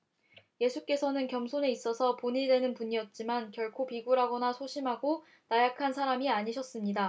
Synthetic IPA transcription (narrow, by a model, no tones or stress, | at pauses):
je̞sʰuk͈e̞sʰʌnɯnkjʌmsʰone̞is͈ʌsʰʌpoɲidwe̞nɯnpuɲiʌt̚t͡ɕ͈imankjʌɭkʰopiɡuɾɦaɡʌnasʰoɕʰimɦaɡo | najakʰansʰaɾamiaɲiɕʰʌs͈ɯmɲida